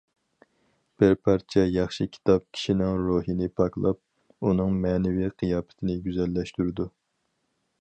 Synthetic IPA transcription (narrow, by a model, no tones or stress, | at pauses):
b̥ɪɾpʰɑɾt͡ʃʰɛjɑχʃɨkʲʰi̥t̪ʰɑp̚kʲʰi̥ʃinɪŋɾoːɦinɪpʰɑklˠɑp̚ | unɨŋmɛːnɪviqʰɨjɑːpʰɪ̥t̪ʰɪnɪɡʲyzɛlːɛʃt̪yɾɪd̪u